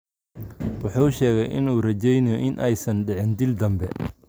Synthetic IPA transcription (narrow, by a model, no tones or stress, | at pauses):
wɑħuːʊʃɛːɣɛjʔɪ̰nuːrɐt͡ʃɛjnɪjɔʔɪnʔɛjsɐnɖɛʕɪnd̪ɪld̪ɐmbɛ